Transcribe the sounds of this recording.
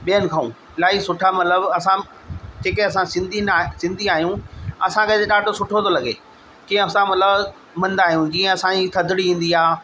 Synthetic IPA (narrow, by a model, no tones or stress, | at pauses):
ɓiːənɪ̆kʰaṵ̃ː | laːisʊʈʰamɐt̪ləbɐsã | d͡ʑeːkeɐs̬ãsɪ̃nd̪ʱinsɪ̃nd̪ʱiaːɦjũɐsãkʰet̪eɗaːɖʱosʊʈʰot̪ʰolɐɡḛː | kĩːə̃ɐsãmɐt̪ləb | mɐ̃nd̪aːɦijũd͡ʑiːə̃ɐsãit̪ʰɐd̪ʱɪɽiĩːn̆d̪iaː